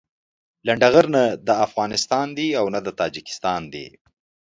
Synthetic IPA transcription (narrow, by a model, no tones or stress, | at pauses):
laɳɖaɣəɾnad̪əafɣɑnɪst̪ɑnd̪iawnad̪ət̪ɑd͡ʒikɪ̥st̪ɑnd̪ḭ